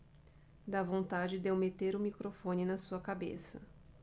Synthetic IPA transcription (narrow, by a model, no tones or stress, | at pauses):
d̪avõnt̪ad͡ʒɪd̪ewmet̪eɾʊmikɾofõnɪnɐsuɐkabḛsɐ